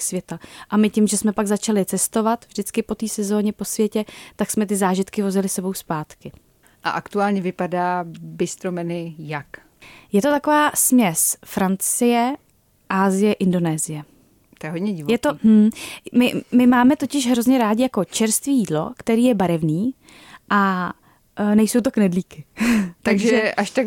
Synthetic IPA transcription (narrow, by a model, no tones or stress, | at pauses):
svjɛt̪aʔamɪcɪmʒɛsmɛpaɡzat͡ʃalɪt͡sɛst̪o̞vat̪vʒdɪt͡skɪpo̞t̪iːsɛzo̞ːɲɛpo̞svjɛcɛt̪aksmɛt̪ɪzaːʒɪt̪kɪvo̞zɪlɪsɛbo̞wspaːt̪kɪ | ʔa̰ʔakt̪uaːlɲɛvɪpadaːbɪst̪ɾomɛnɪjak | jɛt̪o̞t̪ako̞vaːsmɲɛsfɾant͡sɪjɛ | ʔaːzɪjɛʔɪndo̞nɛːzɪjɛ | t̪ojɛɦod̪ɲɛɟɪvjɛt̪oɦm̩mɪmɪmaːmɛt̪o̞cɪʃɦɾo̞zɲɛɾaːɟɪjako̞t͡ʃɛɾst̪viːjiːdlo̞̰kt̪ɛɾiːjɛbaɾɛvniː | ʔa | nɛjso̞wt̪o̞knɛdliːkɪt̪aɡʒʒɛɛʔaʃt̪ak